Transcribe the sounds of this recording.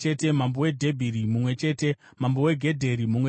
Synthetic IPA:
ete̞mambowe̞dʱe̞bʱiɾimumwe̞t͡ʃe̞ːte̞ | mambowe̞ɡʱe̞dʱe̞ɾimumwe

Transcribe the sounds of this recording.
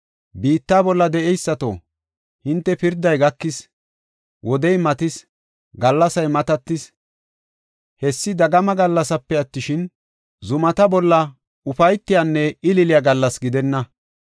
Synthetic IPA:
biːt̪ːaːbɔlːɐd̪ɛʔɛjsːɐt̪o̰ | hɪnt̪ːɛpɪɾd̪ɐjɡɐkːɪs | wʔɔd̪ɛjmɐt̪ɪs | ɡɐlːɐsɐjmɐt̪ɐt̪ːɪs | hɛsːɪd̪ɐɡɐmɐɡɐlːɐsɐpːɛɐt̪ːɪʃɪn | zʊmɐt̪ɐbɔlːɐ | ʊfɐjt̪ːɪjanːɛɪlɪlɪjaɡɐlːɐsɡɪd̪ɛnːɐ

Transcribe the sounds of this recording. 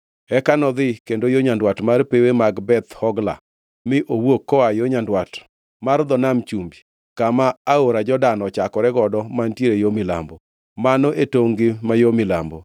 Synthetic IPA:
ɛkanɔd̪ɪkendojoɲandwatmarpewemaɡbɛt̪hɔɡla̰ | mɪʔowokːɔajoɲandwat | mard̪ɔnamt͡ʃumbi | kamaːoɾad͡ʒɔdanɔt͡ʃakɔɾɛɡɔdɔmantjeɾejomɪla̰mbɔ | manoʔetoŋɡɪmajomɪlambo

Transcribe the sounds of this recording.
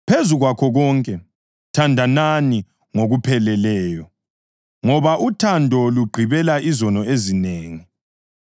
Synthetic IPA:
pʰezuɣwakʰɔɣɔŋkʼɛ | tʰandʱanani | ŋoɣupʰɛlɛlɛːjɔ | ŋɔβaʔutʰandʱɔluɡ͡ǃʱiβɛlaʔizɔnɔezineːŋi

